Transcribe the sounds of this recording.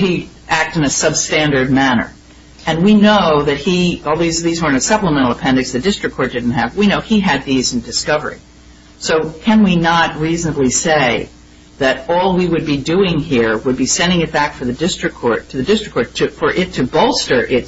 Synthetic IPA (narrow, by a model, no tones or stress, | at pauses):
hi | ʔæk̚tɨ̃nɨsʌb̥stæ̃ndə˞d̚mænə̰˞ | ɨ̃nwinoʊðɨt̚hiɔlˠðizʌðizwə̃˞ɨ̃nɨ̥sʌpləmɛ̃ɾ̃l̩ˠəpʰɛ̃ndɨksðɨdɪstɹ̥ɨkʰɔɹt̚d̥ɪdⁿn̩t̚ɨvwinoʊiɨd̪̚ðiz̃n̩dɨskʌvə̰˞ḭ | soʊkʰɨ̃nwinət̚ɹiznəbliseɪ | ðɨɾɔlˠwiwɨd̚bidʉɪ̃ŋɦiɹwəd̚bisɛ̃ndɪ̃ŋɨt̚b̥ækfə˞ðɨdɪstɹ̥ɨkʰːɔɹtʰɨðɨdɪstɹ̥ɨkʰːɔɹtʰɨfə˞ʔɪtʰɨbɔlˠstə˞ʔɪt̚